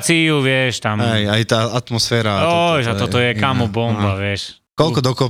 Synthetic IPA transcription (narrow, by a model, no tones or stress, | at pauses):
t͡siuʋjɛʃt̪amɛjait̪aːat̪mɔsfɛːɾaɔjʒaɔt̪ɔjɛkamubɔmbaʋjɛʃ | kɔlkɔd̪ɔkɔ